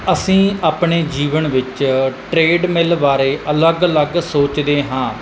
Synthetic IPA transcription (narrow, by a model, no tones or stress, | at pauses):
əsĩːaːpɳeːd͡ʒiːʋəɳʋɪt͡ʃʈɾeːɖmɪlʋaːɾeːʔələɡələɡsoːt͡ʃd̪eːɦãː